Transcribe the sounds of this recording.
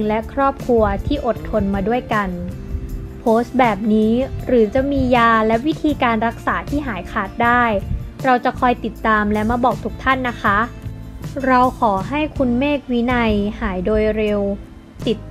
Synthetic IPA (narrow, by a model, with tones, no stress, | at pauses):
ŋlɛ˦˥kʰɾɔː˥˩p̚kʰɾu˧ɐt̪ʰiː˥˩ʔo˨˩t̪ʰːo˧nmaː˧du˥˩əjka˧n | pʰoː˦˥st̪̚bɛː˨˩p̚niː˦˥ɾɯː˩˦t͡ɕa˨˩miː˧jaː˧lɛ˦˥wi˦˥t̪ʰiː˧kaː˧nɾa˦˥k̚saː˩˦t̪ʰiː˥˩ɦaː˩˦jkʰaː˨˩t̪̚daː˥˩jɾa˧wt͡ɕa˨˩kʰɔː˧jt̪i˨˩t̪ːaː˧mlɛ˦˥ma˧bɔː˨˩k̚t̪ʰu˦˥k̚t̪ʰa˥˩nːa˦˥kʰa˦˥ | ɾa˧wkʰɔː˩˦ɦa˥˩jkʰu˧nmeː˥˩k̚wi˦˥na˧jhaː˩˦jdoː˧jɾe˧w | t̪i˨˩t̪̚